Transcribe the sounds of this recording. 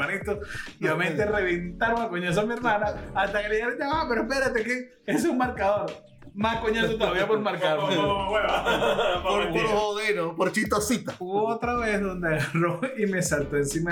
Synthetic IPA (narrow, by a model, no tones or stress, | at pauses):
anit̪oiament̪ereβent̪aɾmakoɲos̬oamie̞ɾmanaːst̪akeɾejaɾod͡ʒamapeɾoehpeɾat̪eke | es̬uŋmaɾkaðoɾ | maskoɲosot̪oðaβiapoɾmaɾka | poɾpoɾooɣeɾopoɾt͡ʃit̪osit̪auβoot̪ɾaβezðo̞nd̪eaɣaroime̞salt̪oensima